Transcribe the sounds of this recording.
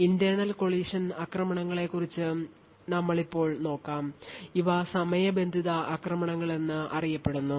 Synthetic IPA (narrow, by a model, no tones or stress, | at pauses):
ind̪jɐɳɐlko̞ɭiːʂɐnaːkrɐmɐɳɐŋːɐɭe̞kːurit͡ɕːɨ | nɐmːɐɭipːo̞ːɭno̞ːkːaːmiʋɐsɐmɐjɐbe̞nd̪ʱiðɐakrɐmɐɳɐŋːɐɭe̞nːɨʔɐ̰rijɐpːe̞ɽunːu